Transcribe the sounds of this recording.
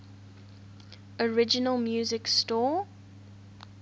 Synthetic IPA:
ɔɹɪd͡ʒɪnəlˠmjuːzɪkstɔː

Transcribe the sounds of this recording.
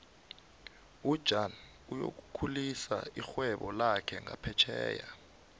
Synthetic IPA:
ud̥ʒ̥ʱan | ujo̰k̬ukʰulisaixwɛɓɔlakʰɛŋʱa̰pʰɛt͡ʃʰɛːja

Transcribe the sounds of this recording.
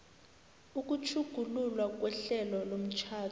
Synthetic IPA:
uk̬ʼut͡ʃʰuɡ̥ʱululwak̬ʼwɛɬɛlɔlom̩t͡ʃʰaːtʰ

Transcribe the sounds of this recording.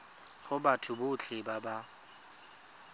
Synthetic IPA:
χʊbatʰʊbʊːt͡ɬʰɪbaba

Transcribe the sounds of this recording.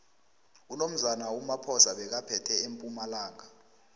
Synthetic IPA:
unom̩zanaumapʰɔzaɓɛk̬apʰɛtʰɛempʼumalaːŋa

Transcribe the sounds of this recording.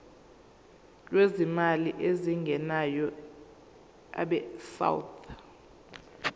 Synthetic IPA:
lwezimaliʔeziŋɡʱɛnajɔ | a̰ɓɛsa̰wtʰ

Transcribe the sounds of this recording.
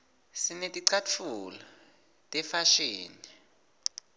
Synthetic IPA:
sinetʼiǀʰatfulɔ | tʼɛfaʃeːni

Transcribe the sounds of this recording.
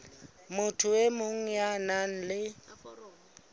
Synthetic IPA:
mʊtʰʊwemʊŋ̩janan̩lɪ

